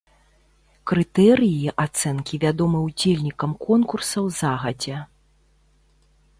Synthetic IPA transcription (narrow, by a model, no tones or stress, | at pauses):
kɾɨt̪ɛɾɨjiʔat̪sɛnkʲivʲad̪ɔmɨwd͡zʲelʲnʲikɐmkɔnkursɐwzaɣɐd͡zʲɛ